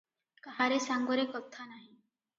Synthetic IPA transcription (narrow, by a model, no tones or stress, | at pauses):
kaɦaɾesaŋɡoɾekət̪ʰːanaɦi